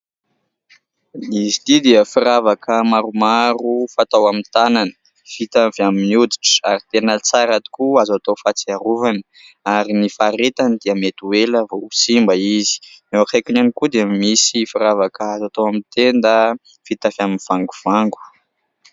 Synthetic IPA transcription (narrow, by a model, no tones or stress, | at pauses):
izit̪id̪iəfiɾavakəmaɾumaɾufat̪awamint̪ananə̥ | v̥it̪aviaminiud̪iʈ͡ʂaɾit̪enət͡saɾat̪i̥kuazat̪ofat͡siaɾuvanə̥ | aɾinifaɾet̪anid̪iəmet̪ueləvousimbəizi̥newakajkinanikud̪eamisifiɾavakəazat̪oamit̪end̪ə | fit̪avaminv̥aŋɡuv̥aŋɡu̥